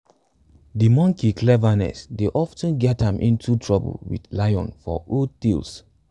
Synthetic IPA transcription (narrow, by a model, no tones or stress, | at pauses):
dimɔ̃ŋkiklɛvanɛ̰sdeʔɔftə̃nɡɛtãmʔḭ̃ntutʰɹɔbə̰lwḭdlajɔ̰̃nfɔ̰otils